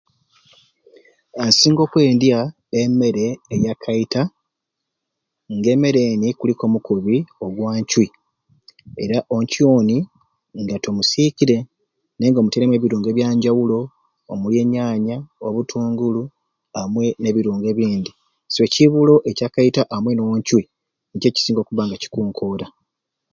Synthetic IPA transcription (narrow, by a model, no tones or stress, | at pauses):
ansiːŋɡo̞ːkwe̞ːndja | emːe̞ɾeːjakʰaita | ŋɡe̞me̞ɾeːnikuliko̞mukuβioɡwaːɲcwi | e̞̰ɾaʔo̞ɲcioni | ŋɡatomusiciɾe̞ | ne̞ːŋɡo̞muteɾemwe̞βiɾuːŋɡe̞βjaːɲɟawulo̞ː | mulje̞ːɲaːɲaoβutʰuːŋɡulu | amwe̞ne̞βiɾuːŋɡe̞βiːnd̪i | swe̞ciβulo̞ʔe̞cakaitaʔamwe̞nowoɲcwi | ɲce̞ːci̥siːŋɡo̞kuβaŋɡaci̥kuːŋkʰoːɾa